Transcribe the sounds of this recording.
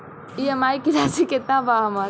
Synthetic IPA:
iɐmaːikilasiket̪ãbaɦɐma

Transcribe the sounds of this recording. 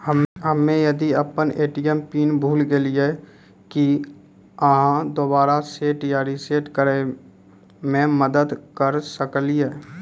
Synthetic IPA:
ɦəmɦəmẽjɐd̪iəpəneːʈɪjəmpiːnbʱuːlɡelie | ki | əɦãd̪obaːɾaseːʈjaːɾiseːʈkəɾe | mẽməd̪əd̪kəɾsəklie

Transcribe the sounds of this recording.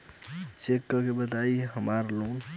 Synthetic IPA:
t͡ʃekːəkebət̪aiɦəmaɾlõ

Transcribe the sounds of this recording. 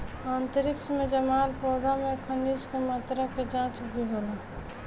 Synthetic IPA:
ant̪əɾɪkt͡ʃʰmẽd͡ʒəmaːlpɔːd̪amekʰəniskemaːt̪ɾaked͡ʒãːt͡ʃbʱiɦoːla

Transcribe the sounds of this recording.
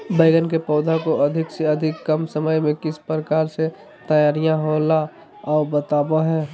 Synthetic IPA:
bəɪɡənkepɔːd̪ʱakoəd̪ʱɪkseəd̪ʱɪkːəmsəməjmẽkɪspɾəkaːɾse | t̪əjaːɾijãɦoːla | ɔːbət̪aːbaɦɛː

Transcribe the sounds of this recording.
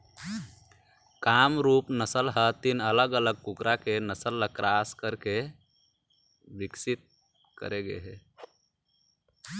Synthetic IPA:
kamɾupnəsəlɦət̪inələɡələɡ̚kukɾakenəsəlːəkɾaskəɾke | biksit̪̚ | kə̰ɾeɡḛɦɛ

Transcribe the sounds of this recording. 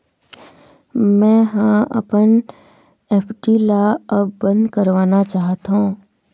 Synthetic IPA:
mɛ̃ːɦãɐ̰pən | eːpʰɖilaɐbːə̃nd̪kəɾʋaːnat͡ʃaːɦət̪õː

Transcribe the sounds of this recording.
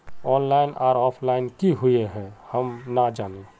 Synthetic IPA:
ɔːnlaːɪnʔaːɾɔːpʰlaːɪnkiɦʊeɦɛ̃həmnad͡ʒaːne

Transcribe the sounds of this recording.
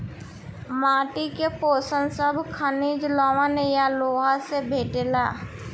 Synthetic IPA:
maːʈikepoːsənsəbʱkʰəniːd͡ʒlɔːʋənejaloːɦasebʱeːʈelaː

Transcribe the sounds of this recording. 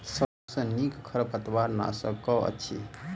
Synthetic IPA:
sə | sə̃nikkʰːəɾpət̪waɾna̰sə̰kɔə̰tːt͡ʃʰḭ

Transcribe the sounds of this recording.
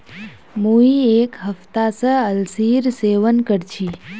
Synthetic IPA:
muiekɦəft̪asəəlsiɾseːʋənkəɾt͡ʃʰi

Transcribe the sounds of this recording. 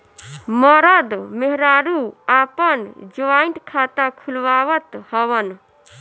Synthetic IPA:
məɾəd̪meɦɾaɾuapənd͡ʒoaint̪kʰat̪akʰulʋaʋət̪həwən

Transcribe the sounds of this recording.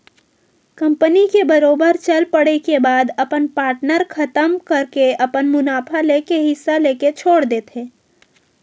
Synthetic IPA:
kɐ̃mpənikebəɾoːbəɾt͡ʃɐlpəɽekebaːd̪ɐpənpaːɾʈnəɾkʰɐt̪əmkɐɾkeɐpənmʊnaːpʰaleːkeɦɪsːaleːket͡ʃʰoːɽd̪eːt̪ɦẽː

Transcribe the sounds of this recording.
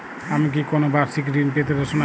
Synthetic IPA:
amik̬ikonobaɾsikɾinpet̪eɾoʃona

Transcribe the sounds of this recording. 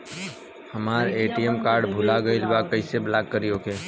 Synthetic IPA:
həmaːɾeːʈijemkaːɾɖbʱʊlaɡəɪlbakəɪseblaːɡːəɾijokʰeː

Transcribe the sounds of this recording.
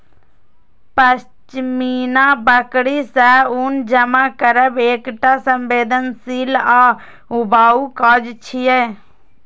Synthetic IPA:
pəs | t͡ʃmiːnaːbəkɽiːsɛːʊnd͡ʒəmaːkəɾəbeːkʈasəmbeːd̪ənsiːlaː | ʊbaːuːkaːd͡ʒt͡ʃʰiɛː

